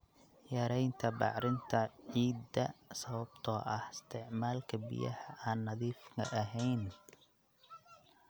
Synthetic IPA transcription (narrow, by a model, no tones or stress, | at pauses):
jɐɾɛjnt̪ʰɐbɑ̰ʕɾɪnt̪ʰɐʕiːd̪ɐsɐβɐbt̪ʰɔːʔɐhɪst̪ʰɪʕmaːlkʰɐbɪ̰jɐ̰hɐʔaːnːɐðiːfkʰɐ̰ʔɐɦɛjn